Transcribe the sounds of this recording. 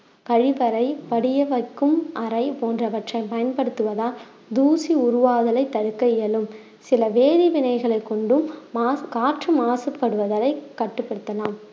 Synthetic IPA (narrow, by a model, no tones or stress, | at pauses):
kɐɻɪʋɐɾɐɪpɐɽɪjɐʋɐɪkːɯmʔɐɾɐɪpoːndrɐʋɐʈrɐɪpɐjɐnpɐɽɯt̪ːɯʋɐðaːl | d̪uːsiʊɾʊʋaːðɐlɐɪt̪ːɐɽɯkːɐɪjɐlɯm | sɪlɐʋeːɻiʋɪɳɐɪɣɐɭɐɪkːɔɳɖɯmːkaːʈrɯmaːsɐpːɐɽɯʋɐðɐlɐɪkːɐʈːɯpːɐɽɯt̪ːɐlaːm